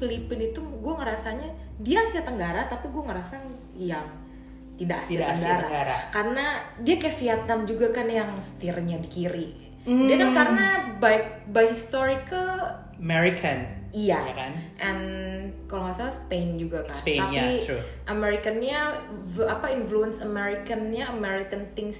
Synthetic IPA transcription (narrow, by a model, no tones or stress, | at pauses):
filipɪnit̪uɡuaŋəɾasaɲa | diasiat̪əŋɡaɾat̪apiɡuaŋəɾasa | jaŋ | t̪ida̰ʔasiatsɡɡaɾaɡaɾakarənadiakefiat̪̚amd͡ʒuɡakanjaŋsə̥t̪irɲadikiɾi | dakakaɾənababajɦist̪oɾikəl | əmeɾikʰənijaakanʔɛnkaloasalsə̥pend͡ʒuɡakaneaiɾu | ʔəmeɾikənɲa | apainfluənsəmeɾikənɲaəmeɾikənt̪ɪŋs